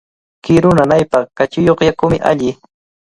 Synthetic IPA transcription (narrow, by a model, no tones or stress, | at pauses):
kɪɾʊnanajpɑχkat͡ʃɪjoχjakʊmɪʔa̰ʎɪ